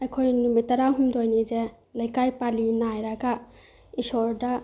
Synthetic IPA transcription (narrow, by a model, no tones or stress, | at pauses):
ɐjkʰojnumitːɐɾawɦumdojnize | lɐjkajpalinajɾaɡa | isɔɾda